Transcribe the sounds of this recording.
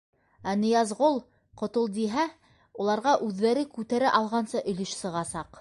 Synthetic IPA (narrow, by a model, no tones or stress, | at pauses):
ænĭjɑzʁolˠ | qŏt̪olˠd̪iɦæ | ulˠɑɾʁɑʔʉðːæɾɘkʉt̪æɾɘʔɑlˠʁɑnsɤʔɵ̆lɵʃsɤ̆ʁɑsɑq